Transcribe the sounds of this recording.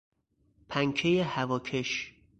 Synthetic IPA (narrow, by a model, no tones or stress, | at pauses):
pʰæŋkʰejehævɒːkʰeʃ